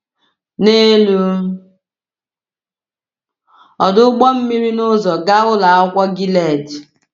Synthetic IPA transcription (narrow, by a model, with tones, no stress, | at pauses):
ne˦lu˦ | ɔ˨dʊ˦ɡ͡bɔ˦m̩˦mi˦ɾi˦nʊ˦zɔ˨ɡa˦ɣʊ˦la˨a˦kʷɔ˦ɡi˦le˦˨d